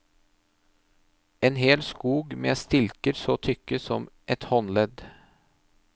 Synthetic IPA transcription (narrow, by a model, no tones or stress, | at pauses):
ʔeːnheːlskuːɡmḛːst̪ɪlkəɾsoːt̪ʰʏkːəsɔmʔɛt̪hɔnlɛd̪